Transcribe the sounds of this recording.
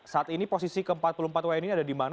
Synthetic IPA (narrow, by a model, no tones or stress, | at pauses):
saat̪iniposisikəəmpat̪̚pulumpat̪waɛniniadadiman